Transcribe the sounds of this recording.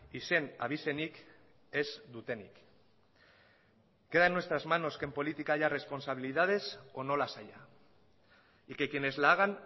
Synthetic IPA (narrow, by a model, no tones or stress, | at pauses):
ise̞na̰β̞ise̞nik | e̞zd̪ut̪e̞nḭk | ke̞ðaenuwest̪ɾazmano̞ske̞mpo̞lit̪ikaʝare̞spo̞nsaβ̞iliðað̞e̞so̞no̞lasaja | ikekiene̞zlaːɣ̞an